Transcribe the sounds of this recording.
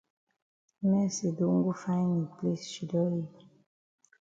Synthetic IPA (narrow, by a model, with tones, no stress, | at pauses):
mɛ˦se˨do˦ŋ̩˦ɡo˦fa˦ni˨ple˦sʃi˨dɔ˦je˦